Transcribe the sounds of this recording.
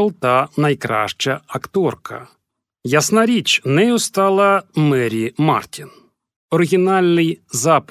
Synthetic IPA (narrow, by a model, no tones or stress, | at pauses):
lˠt̪ɐnɐjkɾa̰ʃt͡ʃɐɐkt̪ɔrkɐ̰ | jɐsnaɾʲit͡ʃnɛust̪ɑlˠɐmɛɾʲima̰rtʲin | ɔɾɪɣʲinalʲnɪjzap